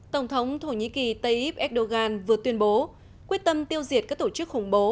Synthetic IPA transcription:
t̪ə˧˩wŋ͡mt̪ʰə˨˦wŋ͡mt̪ʰo˧˩ɲḭ˧˥ki˨˩t̪ə˧jʔi˦˥p̚ʔɛ˦˥k̚ɗo˧ɣaː˧nvɨ˨˩ət̪wi˧ənɓo˨˦ | kwi˦˥ət̚t̪ə˧mt̪i˧əwzi˨˩ət̚kaː˦˥k̚t̪o˧˩t͡ɕɨ˦˥k̚xʊ˨˩ŋ͡mɓo˨˦

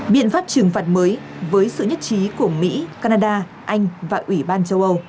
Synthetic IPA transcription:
ɓḭ˧˨ənfaː˦˥p̚t͡ɕɨ˨˩əŋfaː˨˩t̚məː˨˦jvəː˨˦jsɨ̰˧˨ɲə˦˥t̚t͡ɕi˨˦ku˧˩əmḭ˧˥kaː˧naː˧ɗaː˧ | ʔa˧jŋ̟vaː˨˩ʔwi˧˩ɓaː˧nt͡ɕə˧wʔə˧w

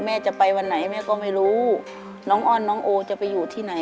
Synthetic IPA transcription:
mɛː˥˩t͡ɕa˨˩pa˧jwa˧nːa˩˦jmɛː˥˩kɔː˥˩ma˥˩jɾuː˦˥ | nɔː˦˥ŋʔɔː˥˩nːɔː˦˥ŋʔoː˧t͡ɕa˨˩pa˧jːuː˨˩t̪ʰiː˥˩na˩˦

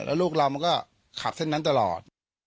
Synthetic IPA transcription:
lɛ̰ː˦˥wluː˥˩k̚laː˧wma˧nkɔː˥˩ | kʰa˨˩se˥˩nːa˦˥nt̪a˧lɔ̰ː˨˩t̪̚

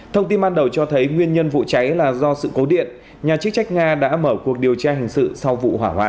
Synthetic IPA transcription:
t̪ʰə˧wŋ͡mt̪i˧nɓaː˧nɗə˨˩wt͡ɕɔ˧t̪ʰə˨˦jŋwi˧ənɲə˧nvṵ˧˨t͡ɕa˨˦jlaː˨˩zɔ˧sɨ̰˧˨ko˨˦ɗḭ˧˨ən | ɲaː˨˩t͡ɕɨ˦˥k̚t͡ɕa˦˥jk̟̚ŋaː˧ɗa̰ː˧˥məː˧˩ku˨˩ək̚ɗi˨˩əwt͡ɕaː˧hi˨˩ŋ̟sɨ̰˧˨sa˧wvṵ˧˨ɦwaː˧˩ɦwa̰ː˧˨

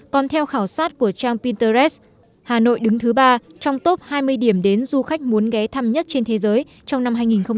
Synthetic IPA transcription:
kɔ˨˩nt̪ʰɛ˧wxaː˧˩wsaː˦˥t̚ku˧˩ət͡ɕaː˧ŋpi˧nt̪əː˧zɛ˦˥s | haː˨˩no̰˧˨jɗɨ˨˦ŋt̪ʰɨ˨˦ɓaː˧t͡ɕɔ˧wŋ͡mt̪o˦˥p̚haː˧jmɨ˧əjɗi˧˩əmɗe˨˦nzu˧xa˦˥jk̟̚mu˨˦ənɣɛ˨˦t̪ʰa˧mɲə˦˥t̚t͡ɕe˧nt̪ʰe˨˦zəː˨˦j | t͡ɕɔ˧wŋ͡mna˧mɦaː˧jŋi˨˩nxə˧ŋ͡m

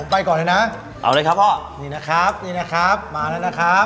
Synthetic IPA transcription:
o˩˦mpa˧jkɔː˨˩ləː˧˥jna˦˥ | ʔa̰˧˩wlɤː˧jkʰa˦˥p̚ʰɔː˥˩niː˧˩na˦˥kʰɾa˦˥p̚niː˧na˦˥kʰɾa˦˥p̚maː˧˩lɛː˦˥wna˦˥kʰɾa˦˥p̚

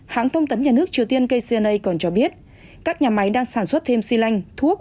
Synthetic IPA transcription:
ha̰ː˧˥ŋt̪ʰə˧wŋ͡mt̪ə˨˦nɲaː˨˩nɨ˦˥ək̚t͡ɕi˨˩əwt̪i˧ənkə˧jsi˧ʔə˧nʔə˧jkɔ˨˩nt͡ɕɔ˧ɓi˦˥ət̚ | kaː˦˥k̚ɲaː˨˩ma˨˦jɗaː˧ŋsaː˧˩nswə˦˥t̚t̪ʰe˧msi˧la˧jŋ̟t̪ʰu˦˥ək̚

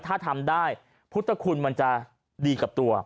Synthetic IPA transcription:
t̪ʰaː˥˩t̪ʰa˧mdaː˥˩j | pʰu˦˥t̪ʰːa˧kʰu˧nma˧nt͡ɕa˨˩ | diː˧ka˨˩p̚t̪u˧ɐ

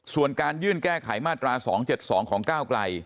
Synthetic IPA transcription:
su˨˩ənkaː˧njɯː˥˩nkɛː˥˩kʰa˩˦jmaː˥˩t̪ːɾaː˧sɔ̰ː˩˦ŋt͡ɕe˨˩t̪̚sɔː˩˦ŋkʰɔː˩˦ŋkaː˥˩wkla˧j

